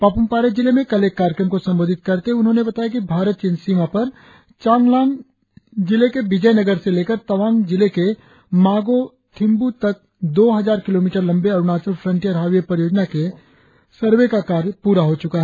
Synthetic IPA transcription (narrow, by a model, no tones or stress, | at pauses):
paːpʊmpaːɾed͡ʒɪlemẽkɐlekːaːɾjkɾəmkosɐ̃mboːd̪ʱɪt̪kɐɾt̪eʊnɦõːnebɐt̪aːjak̬ibʱaːɾət̪̚t͡ʃɪ̃nsiːmapɐɾ | t͡ʃãːŋɡlaːn | d͡ʒɪlekebɪd͡ʒəjnɐɡəɾseleːkəɾt̪ɐʋaːnd͡ʒɪleke | maːɡo | t̪ʰɪ̃mbut̪ɐk̚ | d̪oːɦɐzaːɾkɪloːmiːʈəɾlɐ̃mbeɐɾnaːt͡ʃəlfʰɾə̃ɳʈijəɾɦaːʋijepɾɐjoːd͡ʒnake | sɐɾʋekakaːɾpuːɾaɦot͡ʃʊkaɦɛ